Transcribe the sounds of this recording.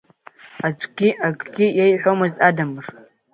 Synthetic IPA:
ad͡ʒʷʼɡʲiaɡʼɡʲijajħʷᶣomɨztʼadamɨr

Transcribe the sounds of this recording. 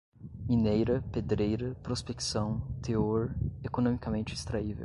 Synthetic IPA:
minejɾɐped̪ɾejɾɐpɾospeksɐ̃w̃t̪eoɾekonõmikɐmẽnt͡ʃɪist̪ɾaivḛw

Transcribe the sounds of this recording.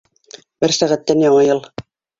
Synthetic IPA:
bɘɾsæʁæt̪ːænjɑɴɑjɤlˠ

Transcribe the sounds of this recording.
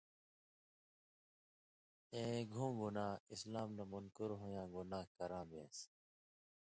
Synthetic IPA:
ẽːɡʱũːɡunaːislaːmnamunkuɾɦojãːɡunaːkɐɾãːbḛ̃ːs

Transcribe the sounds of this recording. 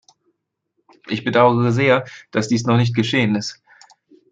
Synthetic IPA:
ʔɪçb̥ədaʊəʁəzeːɐd̥asd̥iːsnɔχnɪç̬t̚ɡ̥əʃeːənɪst

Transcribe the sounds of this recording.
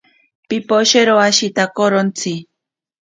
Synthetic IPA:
pipoʃeɾoaʃit̪akoɾont͡sʰi

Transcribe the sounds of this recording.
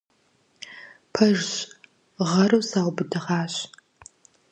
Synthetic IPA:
pʰɐʒɕ | ʁɐɾɐwsaːwbɨdɨʁɑːɕ

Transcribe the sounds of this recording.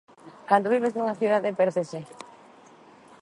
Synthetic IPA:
kand̪oβ̞iβ̞eznuŋaθjuðaðepeɾðese

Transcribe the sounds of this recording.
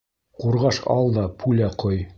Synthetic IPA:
quɾʁɑʃɑ̰lˠd̪ɑpʰulæqoj

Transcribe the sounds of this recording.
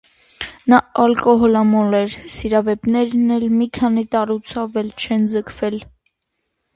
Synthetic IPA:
nɑɑlkɔɦɔlɑmɔlɛɾsiɾɑvɛpnɛɾnɛlmikʰɑnit̪ɑɾut͡sʰɑvɛlt͡ʃʰɛnd͡zəkʰvɛl

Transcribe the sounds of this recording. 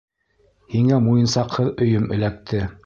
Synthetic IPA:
hiŋæmujɤ̆nsɑqhɤðɵ̆jɵmɵ̆læk̚t̪ʰɘ

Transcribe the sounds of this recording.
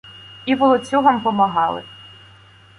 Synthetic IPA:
iʋɔlˠɔt͡sʲuɦɔmpɔmɐɦɑlˠɪ̰

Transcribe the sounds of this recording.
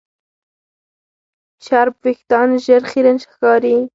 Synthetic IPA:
ʃaɾbwɪxt̪ɑnʒəɾχiɾənʃxkɑɾi

